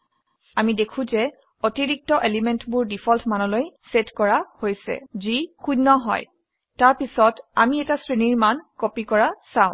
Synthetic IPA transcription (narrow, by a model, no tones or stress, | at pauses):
amidekʰũzɛ | otiɹik̚tɔʔelimɛntbʊɹdipʰɔltʰmanɔlojsetkɔɹahojsɛ̰zixunɔɦɔ̰j | taɹpisɔtamiɛtasɹiniɹmankopikɔɹasãʊ̃